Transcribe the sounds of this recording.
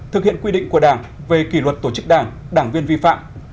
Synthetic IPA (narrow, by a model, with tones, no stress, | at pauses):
t̪ʰɨ˨˩k̚hḭ˧˨ənkwi˧ɗḭ̈˧˨ŋ̟ku˧˩əɗaː˧˩ŋve˨˩ki˧˩lwə˨˩t̚t̪o˧˩t͡ɕɨ˦˥k̚ɗaː˧˩ŋ | ɗaː˧˩ŋvi˧ənvi˧fa̰ː˧˨m